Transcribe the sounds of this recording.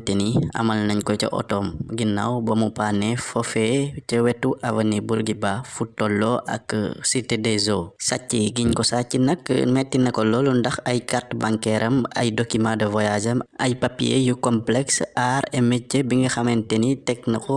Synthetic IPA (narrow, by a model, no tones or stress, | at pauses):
teniɐ̰mɐlnɐɲkɔcɐ̰ʔɔ̰tɔmɡinːɐ̰wbɐmupanɛfɔfɛcɐwɛtːuʔɐvɐnibuɾɡibafutːɔlːɔʔɐ̰ksitedɛzosa̰cːiɡiɲkɔsacinɐkːmɛtːinɐkɔlɔlundɐxɐjkartbaŋkɛɾʔɐmɐ̰jdɔkːimadɐvɔjad͡ʒɐmɐ̰jpapːijḛjukɔmplɛksʔaːɾɛmɛcːəbiŋɡɐxɐmɛntenitɛk̚nɐkɔ